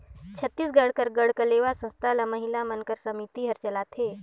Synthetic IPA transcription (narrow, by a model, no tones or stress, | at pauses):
t͡ʃʰət̪ːisɡəɽkəɾɡəɽkəleːʋasə̃nst̪ʰalaməɦɪlamənkəɾsəmit̪iɦəɾt͡ʃəlat̪ʰeː